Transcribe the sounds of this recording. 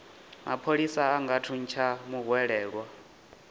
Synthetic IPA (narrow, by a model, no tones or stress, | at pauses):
mapʰoɺisaːŋɡatʰun̩t͡ʃʰamuɣwɛɺɛːɺwa